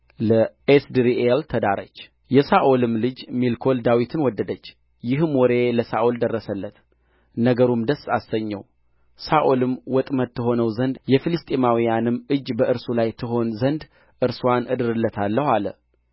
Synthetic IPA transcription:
ləʔesd̪iɾiʔelt̪ʰəd̪aɾət͡ʃː | jɛsaʔolɨmlɨd͡ʒmilkʰo̞ld̪awit̪ʰɨnwɔd̪ːəd̪ət͡ʃː | jɪhmwɔɾe̞ləsa̰ʔold̪ərːəsəlːət̪ | nəɡəɾumd̪əsːasəɲːɛ̰w | saʔolɨmwɔt̪ʼmət̪ːɨɦo̞nəwzənd̪jɛfilɨst̪ʼemawijanɨmɨd͡ʒːbəʔɨɾsulajt̪ʰɨɦo̞nzənd̪ | ʔɨɾswanʔɨd̪ɨɾɨlːət̪ʰalːəhalə̰

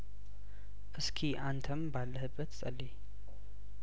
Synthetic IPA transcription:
ʔɨskʰiʔant̪ʰəmbalːəhɨbːət̪sʼəlːe

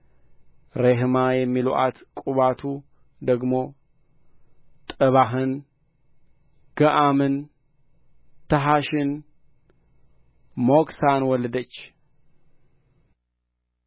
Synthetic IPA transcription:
ɾeɦmajɛmːiluʔat̪kʼuβat̪ʰu | d̪əɡmo̞ | t̪ʼɨβaɦɨn | ɡ̥əʔamɨn | t̪ʰɐɦaʃɪn | moksanwɔləd̪ət͡ʃː

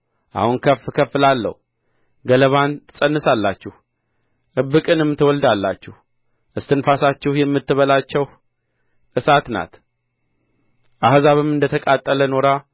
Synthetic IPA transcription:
ʔa̰hunkʰəfkʰəfːɨlalːə̰hu | ɡələβanɨsʼənːɨsalːat͡ʃːɪh | ʔɨbːɨkʼɨnɛmːɨt̪ːɨwɔld̪alːat͡ʃːɪh | ʔɨst̪ɨnfasat͡ʃːɪhjɛmːɨt̪ːɨβəlat͡ʃːɛw | ʔɨsat̪na̰t̪ | ʔahzaβɨmɨnd̪ət̪ʰəkʼat̪ʼːələno̞ɾa

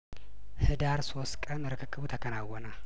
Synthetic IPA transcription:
hɨd̪aɾso̞st̪kʼənɨɾɨkʰɨkʰːɨβut̪ʰəkʰənawːənə

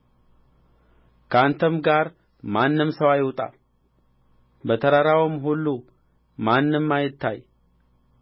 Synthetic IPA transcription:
kʰəant̪ʰəmɡaɾ | manːɨmsəwajɪwt̪ʼa̰l | bət̪ʰəɾaɾawɨmɦulːu | manːɨmːajɪt̪ːa̰j

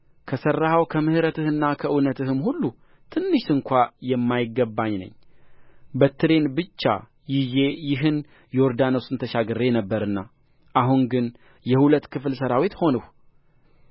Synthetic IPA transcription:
kʰəsərːahawkʰəmɨhɨɾət̪ʰɨhɨnːakʰəʔɨnət̪ʰɨɦɨmhulːu | t̪ʰɨnːɨʃɨŋkʷajɛmːajɪɡːəbːaɲnə̰ɲː | bət̪ʰːɨɾe̞nbɨt͡ʃːa̰ | jɪjejɪɦɨn | joɾd̪anosɨnt̪ʰəʃaɡɨrːe̞nəbːəɾɨnːa | ʔaɦuŋɡɨn | jɛhulət̪ːkʰɨflsəɾawit̪ho̞nəh

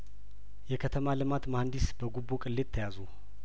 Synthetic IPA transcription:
jɛkʰət̪ʰəmalɨmat̪mahnd̪isbəɡubːokʼɨlːet̪ʰːəjazu

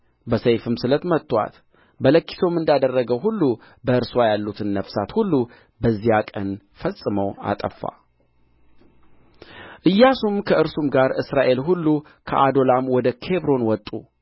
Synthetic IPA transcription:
bəsejfɨmsɨlət̪mət̪ʼːwa̰t̪ | bələkːi̥so̞mɨnd̪ad̪ərːəɡəwɦulːu | bəɨɾswajalːut̪ʰɨnːəfsat̪hulːu | bəzːijakʼə̰n | fəsʼɨməwa̰t̪ʼə̰fːa̰ | ʔɨjːasumkʰəʔɨɾsumɡaɾɨsɾaʔe̞lɦulːu | kʰəʔad̪o̞lamwɔd̪əkʰe̞bɾo̞nwɔt̪ʼu

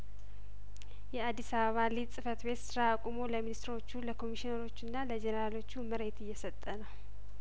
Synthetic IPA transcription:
jɛad̪ːisaβəβalisʼɨfət̪be̞t̪sɨɾakʼumo̞ləminist̪ɾo̞t͡ʃːuləkʰo̞miʃinəɾo̞t͡ʃːɨnːaləd͡ʒɛnəɾalo̞t͡ʃːuməɾe̞t̪ɨjːɛsət̪ʼːənəw

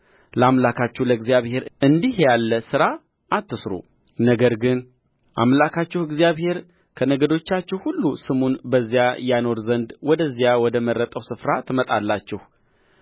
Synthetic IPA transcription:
ləamlakʰat͡ʃːɛhləɨɡzijaβhe̞ɾʔɨnd̪ihjalːəsɨɾa | ʔːt̪ːɨsɾṵ | nəɡəɾɡɨn | ʔa̰mlakʰat͡ʃːɪhɪɡzijaβhe̞ɾ | kʰənəɡəd̪o̞t͡ʃːat͡ʃːɪhhulːusɨmunbəzːijajano̞ɾzənd̪wɔd̪əzːjawɔd̪əməɾːət̪ʼəwsɨfɾat̪ʰɨmət̪ʼalːat͡ʃːɪh

